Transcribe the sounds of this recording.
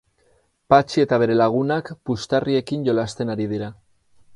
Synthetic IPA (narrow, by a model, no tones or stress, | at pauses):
pat͡ʃie̞t̪aβ̞e̞ɾe̞laɣ̞unakpust̪arie̞kinʝo̞last̪e̞naɾiðiɾa